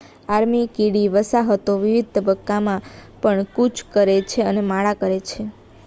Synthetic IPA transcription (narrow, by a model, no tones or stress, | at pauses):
aɾmikiɽiʋəsaɦət̪oʋiʋid̪̚ʱt̪əbəkːamãpəɳkut͡ʃʰkəɾet͡ʃʰeənemaɭakəɾet͡ʃʰe